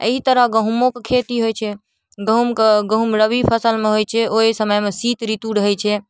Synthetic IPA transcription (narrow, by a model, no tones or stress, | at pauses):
ḛɦit̪əɾəɦɡəɦumokekʰet̪iɦojt͡ʃʰɛ | ɡəɦumkɡəɦumɾəbipʰəsəlmeɦojt͡ʃʰɛʔoɦisəməjmesit̪ɾit̪uɾəɦɛt͡ʃʰɛ